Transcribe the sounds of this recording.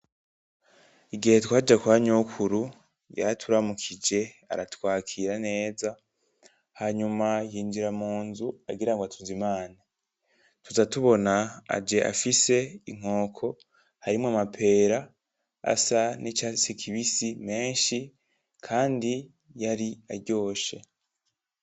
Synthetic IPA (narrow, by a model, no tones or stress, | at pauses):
iɡihetwaːd͡ʒakwaːɲokʰuɾu | ja̰atʰuɾamukʰid͡ʒe̞a̰ɾatwaːkʰiɾane̞ːza | haɲumajiːɲd͡ʒiɾamuːnzua̰ɡiɾaŋɡwatʰuzimaːna | tuzatuβo̞naa̰d͡ʒe̞ʔa̰fise̞iŋ̥o̞ːkʰo̞ | haɾimŋamapʰe̞ːɾa | a̰sanit͡ʃasikiβisime̞ːnʃi | kʰaːndi | jaɾiaɾɟo̞ːʃe̞